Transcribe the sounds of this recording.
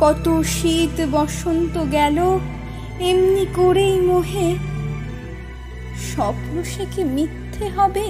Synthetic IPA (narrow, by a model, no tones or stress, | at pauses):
kɔt̪oʃit̪bɔʃont̪oɡɛlo | emnikoɾejmoɦe | ʃɔbɦɾoʃekemit̪ʰːeɦɔbe